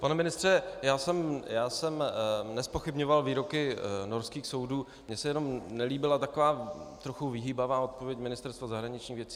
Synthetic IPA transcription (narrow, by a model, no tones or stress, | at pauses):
panɛmɪnɪst̪r̥ɛjaːsɛmjaːsɛmnɛspo̞xɪbɲovalviːɾo̞kɪnoɾskiːxso̞wduː | mɲɛsɛjɛno̞mnɛliːbɪlat̪ako̞vaːt̪ɾo̞xuvɪɦiːbavaːo̞t̪̚po̞vjɛcmɪnɪst̪ɛɾst̪vazaɦɾaɲɪt͡ʃɲiːxvjɛt͡siː